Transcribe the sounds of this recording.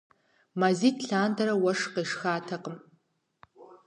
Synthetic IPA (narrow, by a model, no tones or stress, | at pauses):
maːziːtʰɬaːndʰɐɾɐwɐʂqeːʂxaːtʰɐqəm